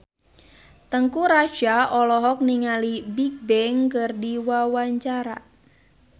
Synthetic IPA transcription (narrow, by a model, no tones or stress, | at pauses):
t̪əŋkuɾad͡ʒaʔɔlɔɦɔk̚niŋalibik̚bɛŋkɨrdiwawaɲt͡ʃaɾa̰